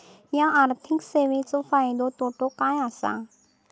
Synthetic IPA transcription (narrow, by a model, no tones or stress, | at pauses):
jãʔaːɾt̪ʰikseʋẽt͡sofaːjd̪ot̪oʈokãj̃asã̰